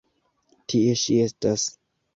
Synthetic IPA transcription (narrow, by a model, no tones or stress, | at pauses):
tʰie̞ʃie̞stas